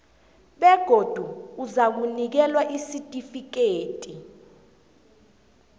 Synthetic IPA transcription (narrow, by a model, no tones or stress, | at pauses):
ɓɛɡ̥ʱod̥ʱuːzak̬unik̬ɛlwaʔisitʼifik̬eːtʼi